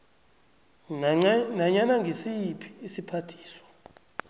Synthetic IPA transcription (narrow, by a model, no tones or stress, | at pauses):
naɲanaŋɡʱisipʰi̥ːsipʰatʰi̥ːswḁ